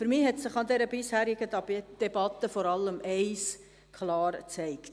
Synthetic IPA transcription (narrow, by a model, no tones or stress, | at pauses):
fyɾmɪːhɛtsɪχɑnd̪ɛɾəbɪshæːɾɪɡ̥əd̥ɛbɑt̪ːəfɔɾɑlːəmɛɪs | kʰlɑːɾt͡sɛɪkt